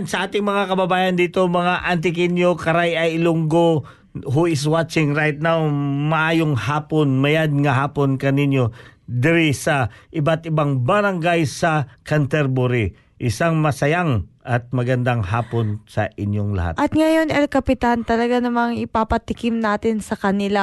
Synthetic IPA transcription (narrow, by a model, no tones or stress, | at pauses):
nsɐʔaːt̪ɪŋmɐŋakɐbɐbaːjɐnd̪iːt̪o̞mɐŋaʔɐnt̪̬ɪkɪnjokɐɾajɐjlʊŋɡo | ɦuʔɪs̬wat͡ʃɪŋɾajt̪̚nawmɐʔaːjoŋhaːponmɐjad̪̚ŋɐɦaːponkɐnɪnjo̞d̪ɛɾisɐʔɪbat̪ɪbaŋbɐɾɐŋɡajsɐkɐnt̪ɛɾbuɾi | ʔɪsaŋmɐsɐjaŋʔɐt̪̚mɐɡɐnd̪aŋhaːponsɐʔɪnjoŋlɐ̰ha̰t̪ʔɐt̪̚ŋɐjonɛlkɐpɪt̪ant̪ɐlɐɡanɐmaŋɪpapɐt̪ɪkɪmnaːt̪ɪnsɐkɐnɪla